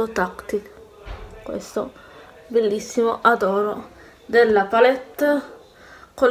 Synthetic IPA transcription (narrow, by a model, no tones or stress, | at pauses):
ot̪akt̪i | kwḛst̪o̰ | belːisːimoʔad̪ɔːɾo | d̪elːapalet̪ːa | ko